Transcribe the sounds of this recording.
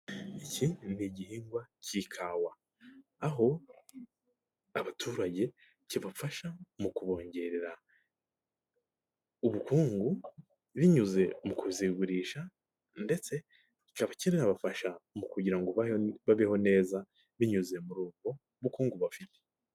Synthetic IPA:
icʰinniɟihiːŋɡwacikʰawa | aɦo̞ | aβatʰuːɾaɟe̞ | ciβafaʃamukuβo̞ːɲɟe̞ɾeɾa | uβukuːŋɡu | βiɲuze̞mukuziɡuɾiːʃa | nde̞t͡se̞ | ci̥kaβacininaβafaʃamukuɟiɾaŋɡoβaβaβiho̞ne̞ːza | βiɲuze̞muɾuːɡɡo̞ | uβukuːŋɡuβafite̥

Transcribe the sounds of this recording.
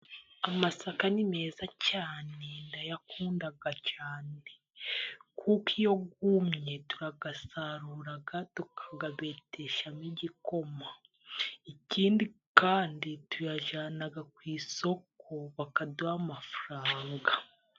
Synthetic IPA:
amasakanime̞ːzacaːne̞ndajakuːndaɡacaːne̞ | kʰukijo̞ɡumɲe̞tuɾaɡasaɾuːɾaɡatukʰaɡaβe̞ːteʃamiɟiko̞ma | iciːndikaːnditujaʒaːnaɡakwiːso̞kʰo̞βakaduamafuɾaːŋɡa

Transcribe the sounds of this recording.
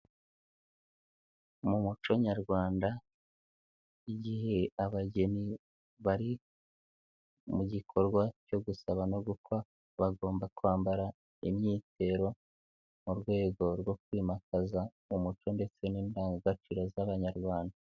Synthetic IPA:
mumut͡ʃo̞ɲaɾɡwaːnda | iɟiɦe̞aβaɟe̞ni | βaɾi | muɟikʰo̞ɾɡwaco̞ɡusaβanoɡuka | βaɡo̞ːmbakuaːmbaɾa | imɲiːte̞ɾo̞ | muɾɡwe̞ːɡo̞ɾɡwo̞kwiːmakaza | umut͡ʃo̞nde̞t͡se̞niːndaːŋɡaɡat͡ʃiɾazaβaɲaɾɡwaːnda

